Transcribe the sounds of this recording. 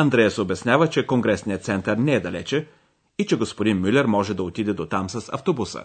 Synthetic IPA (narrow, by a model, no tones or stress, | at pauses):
ɐnd̪ɾɛjəsɛobɛsnʲavət͡ʃɛkoŋɡɾɛsnijət̪sɛnt̪əɾnɛɛd̪ɐlɛ̰t͡ʃɛ | it͡ʃɛɡospod̪inmylʲɛɾmɔʒɛd̪ɐot̪id̪ɛd̪ot̪amsɐsɐ̰ft̪obusə̰